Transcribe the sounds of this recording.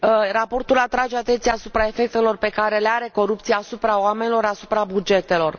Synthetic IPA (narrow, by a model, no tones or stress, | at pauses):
rapo̞rt̪ulat̪ɾad͡ʒeat̪e̞nt̪sijasupɾae̞fe̞k̚t̪e̞lo̞rpe̞kaɾe̞leaɾe̞ko̞ɾup̚t̪sijasupɾaoame̞nilo̞ɾasu̥pɾabud͡ʒe̞t̪e̞lo̞r